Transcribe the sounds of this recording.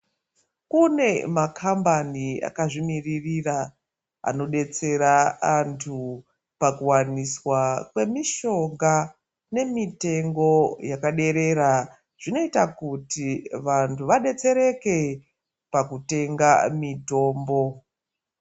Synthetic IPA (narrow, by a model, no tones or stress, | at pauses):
kune̞makʰambania̰kaʐimiririra | a̰no̞ɗe̞t͡se̞ɾaːntʰu | pakuwaniswakwe̞miʃo̞ŋɡa | ne̞mite̞ŋɡo̞jakaɗe̞ɾe̞ɾa | ʐ̥ino̞itakutiʋantʰuʋaɗe̞t͡se̞ɾe̞ke̞ | pakute̞ŋɡamito̞ːmbo̞